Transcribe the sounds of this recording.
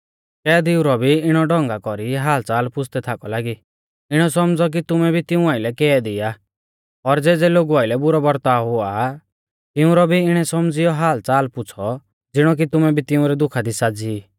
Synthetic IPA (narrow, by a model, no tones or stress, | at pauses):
kɛːd̪ɪuɾɔbʱiɪɽ̃ɔɖɔ̃ŋɡakɔɾiɦaːlt͡saːlpʊt͡sʰt̪ɛt̪ʰakɔlaːɡi | ɪɽ̃ɔsɔmd͡zɔk̬it̪ʊmɛbʱit̪ɪũaːɪlɛkɛːd̪ɪja | ɔɾd͡zeːd͡zɛloːɡuaːɪlɛbʊɾɔbɔɾt̪aːɦʊa | t̪ɪʊ̃ɾɔbʱiɪɽ̃ɛsɔmd͡zɪjɔɦaːlt͡saːlpʊt͡sʰɔ | d͡zɪɽ̃ɔk̬it̪ʊmɛbʱit̪ɪʊ̃ɾɛd̪ʊkʰad̪isad͡ziː